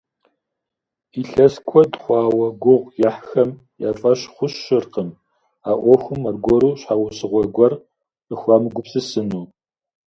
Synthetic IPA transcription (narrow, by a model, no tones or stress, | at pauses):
iɬɐskʷʰɔdχʷɑːwɐɡʷʊʁjɐħxɐm | jaːfʼɐɕχʷʊɕɨrqəm | aːʔʷɔxʷʊmɐrɡʷɔɾuːɕħawʊsɨʁʷɔɡʷɔr | əxʷɑːmɨɡʷʊpsɨsɨnuː